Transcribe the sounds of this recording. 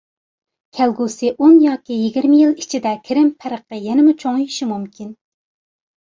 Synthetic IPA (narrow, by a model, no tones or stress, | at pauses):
kʲʰɛlɡusɨʔunjɑːkʲijiɡʲiɾmɪjilˠit͡ʃʰid̪ɛkʲʰɪɾɪmpʰæɾəqʰəjɛnɪmut͡ʃʰoŋiʃimumkʲʰin